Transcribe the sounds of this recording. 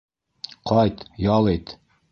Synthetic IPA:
qʰɒjt̪jɒlˠit̪

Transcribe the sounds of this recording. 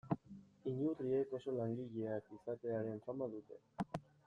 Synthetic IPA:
iɲut̪ɾie̞ko̞so̞laŋɡiʎeakisat̪e̞aɾe̞ɱfamaðut̪e̞

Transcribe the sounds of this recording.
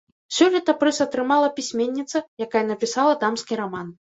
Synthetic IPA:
sʲɔlʲɛt̪ɐpɾɛsɐt̪ɾɨmalˠɐpʲisʲmʲenʲːit̪sɐjakajɐnɐpʲisalˠɐd̪amskʲiɾaman

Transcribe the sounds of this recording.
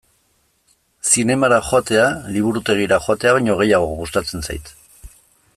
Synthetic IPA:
sine̞maɾaxoat̪e̞aliβ̞uɾut̪e̞ɣ̞iɾaxo̞at̪e̞aβajɲo̞ɣ̞e̞jaɣ̞o̞ɣust̪at͡se̞nsa̰jt̪

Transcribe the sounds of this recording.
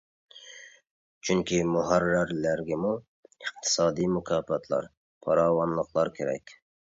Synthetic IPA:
t͡ʃʰyŋkʲʰimʊɦɑrːæɾlæɾɡʲɛmu | əq̚t̪ʰɨ̥sɑːd̪ijmʊkʰɑːpɑt̪ʰlˠɑ̰ɾ | pʰɑɾɑːwɑnlˠəqlˠɑɾkʲʰeɾɛ̰kʲ

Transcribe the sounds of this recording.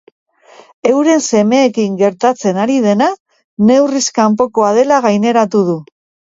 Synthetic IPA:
e̞wɾe̞nse̞me̞ːkiŋɡe̞ɾt̪at͡se̞naɾiðe̞na | ne̞wriskampo̞ko̞að̞e̞laɣajne̞ɾat̪uð̞u

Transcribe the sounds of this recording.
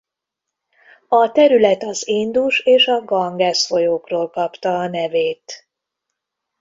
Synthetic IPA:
ɒt̪ɛɾylɛt̪ɒziːnd̪uʃeːʃɒɡɒŋɡɛsfo̞joːkroːlkɒpt̪ɒːnɛveːt̪

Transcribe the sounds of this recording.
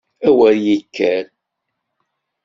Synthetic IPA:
æwəɾjəkʰːæɾ

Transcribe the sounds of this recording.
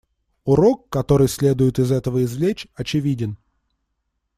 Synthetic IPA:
ʊɾo̞kːɐt̪o̞ɾɨjsʲlʲe̞d̪ʊjɪt̪ɪzɛt̪əvəɪzvlʲet͡ɕʲɐt͡ɕɪvʲidʲɪn

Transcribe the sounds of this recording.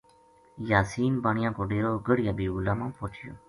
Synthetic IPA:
jaːsiːnbaːɳɪjãːkoːɖeːɾoːɡəɽɪjaːbiːʊlaːmãːpoːt͡ʃʰɪjo̰ː

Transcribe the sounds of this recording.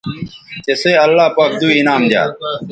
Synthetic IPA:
t͡ɕeseɐlːaːpaːk̚d̪uːinaːmd̪ja̰ː

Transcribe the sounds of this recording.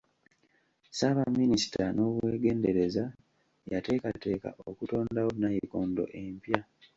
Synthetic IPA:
saβamːinisi̥tano̞βwe̞ːɡe̞ːnde̞ɾe̞za | jate̞ːkate̞ːka̰ʔokuto̞ːndawo̞najiko̞ːndo̞̰ʔe̞mpja

